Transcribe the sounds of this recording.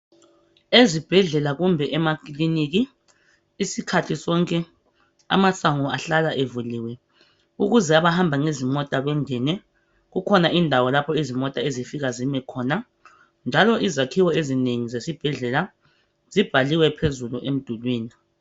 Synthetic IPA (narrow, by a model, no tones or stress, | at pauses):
ezib̥ʱɛɮɛlaɣumbʱɛʔɛmakʼlinik̬iː | sikʰatʰisɔŋkʼɛ | a̰masʼaŋɔaɬalaʔevuliːwɛ | uɣuzɛaβahambʱaŋezimɔtʼaɣɛŋɛnɛ | ɣukʰɔnaʔindʱawɔlapʰɔizimɔtʼaezifiɣazimɛkʰɔːna | nd͡ʒʱalɔʔizakʰiwɔezineŋizesib̥ʱɛɮɛla | z̥ib̥ʱaliwɛpʰezuluʔem̩d̥ʱulwiːni